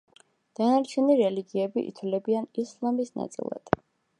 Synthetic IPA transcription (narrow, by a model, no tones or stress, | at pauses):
d̪̥anaɾt͡ʃʰɛniɾɛliɡiɛbiʔḭt̪ʰwlɛbianislˠamisna̰t̪sʼḭlˠa̰d̪̥